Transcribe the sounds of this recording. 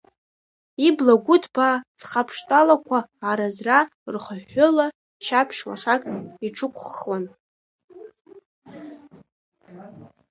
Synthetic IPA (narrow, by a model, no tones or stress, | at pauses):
iblaɡʷʊtʰbat͡sχapʰʂtʼalakʷʰaːɾazrarχəħʊla | t͡ʃʰapʰʃla̰ʂakʼiʈ͡ʂʰɨkʷʰʼχwan